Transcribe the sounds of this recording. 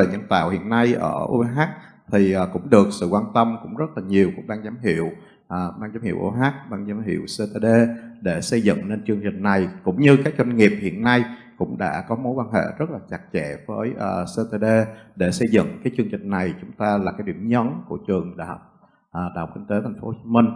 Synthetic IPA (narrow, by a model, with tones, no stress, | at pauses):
a˨˩ɲə˧˩nt̪a̰ː˧˨whḭ˧˨ənːa˧jʔəː˧˩ʔṵ˧ɦaː˦˥k̚ | t̪ʰi˨˩ʔaː˨˩kʊ̰˧˥ŋ͡mɗɨ˨˩ək̚sɨ̰˧˨kwaː˧nt̪ə˧mkʊ̰˧˥ŋ͡mzə˦˥t̚laː˨˩ɲi˨˩əwkʊ̰˧˥ŋ͡mɓaː˧ŋzaː˨˦mɦḭ˧˨əw | ʔaː˨˩ɓaː˧ŋzaː˨˦mhḭ˧˩əwʔu˧ɦaː˦˥k̚ɓaː˧ŋzaː˨˦mɦḭ˧˨əwse˧t̪e˧ɗe˧ɗe˧˩sə˧jzɨ̰˧˨ŋne˧nt͡ɕɨ˧əŋt͡ɕï˨˩ŋ̟na˨˩jkʊ̰˧˥ŋ͡mɲɨ˧kaː˦˥k̚t͡ɕwa˧jŋ̟ŋi˨˩əp̚hḭ˧˨ənːa˧jkʊ̰˧˥ŋ͡mɗa̰ː˧˥kɔ˨˦mo˨˦jkwaː˧nɦḛ˧˨zə˦˥t̚laː˨˩t͡ɕa˨˩t̚t͡ɕɛ̰˧˨vəː˨˦jʔəː˨˩se˧t̪e˧ɗe˧ɗe˧˩sə˧jzɨ̰˧˨ŋkaː˨˦jt͡ɕɨ˧ŋt͡ɕï˨˩ŋ̟na˨˩jt͡ɕʊ˨˦ŋ͡mt̪aː˧laː˨˩kaː˨˦jɗḭ˧˩əmɲɔ˨˦nku˧˩ət͡ɕɨ˨˩əŋɗa˧˩˨hp̚ | ʔaː˨˩ɗa̰˨˩hk͡p̚kï˧ŋ̟t̪e˨˦t̪ʰjŋ̟fo˧˦ho˧t͡ɕi˦mï˧ŋ̟